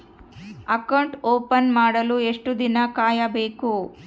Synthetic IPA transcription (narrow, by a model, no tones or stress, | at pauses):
ɐkɐwɳʈoːpɐnmaːɽɐlueʂʈud̪inɐkaːjɐbeːku